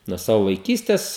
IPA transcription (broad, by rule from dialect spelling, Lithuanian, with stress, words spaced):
nuɔ ˈsɑːʋʊ ʋɐɪˈkʲiːsʲtʲɛs